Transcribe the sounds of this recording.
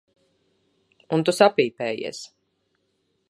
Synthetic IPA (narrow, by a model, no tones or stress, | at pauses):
unt̪usapiːpɛːjḭs